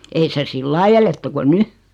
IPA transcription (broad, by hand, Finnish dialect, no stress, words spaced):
ei se silːɑi eletːy ko ny